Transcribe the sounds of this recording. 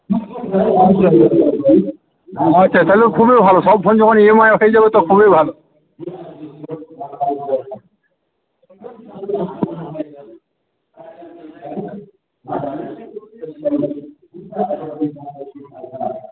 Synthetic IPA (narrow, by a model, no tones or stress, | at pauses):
atːɕʰat̪ajleokʰubebʱaloʃɔb̚ɡʰʱond͡ʑɔkʰoniemaeoejd͡ʑabet̪ɔkʰubebʱalo